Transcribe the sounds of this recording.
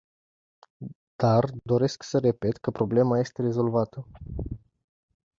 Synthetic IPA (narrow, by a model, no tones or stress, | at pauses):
d̪̥ard̪o̞ɾe̞sksəɾe̞pe̞t̪kəpɾo̞ble̞maje̞st̪e̞ɾe̞zo̞lvat̪ə